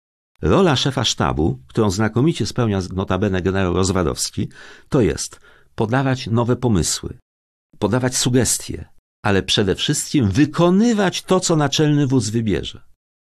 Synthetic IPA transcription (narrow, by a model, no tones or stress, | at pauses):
ɾɔlaʂɛfa̰ʂt̪a̰bṵk̚t̪uɾɔ̃w̃znakɔmʲit͡ɕɛspɛwɲanɔt̪abɛnɛɡɛnɛɾawɾɔzvad̪ɔ̰fskʲit̪ɔjɛ̰st̪ | pɔd̪avat͡ɕnɔvɛpɔmɘ̰swɘ̰ | pɔd̪avat͡ɕsuɡɛst̪ʲjɛ̰ | alɛpʂɛd̪ɛfʂɘst̪̚kʲimvɘkʰɔnɘvat͡ɕt̪ɔt̪sɔnat͡ʂɛlnɘvuz̬vɘbʲjɛ̰ʐɛ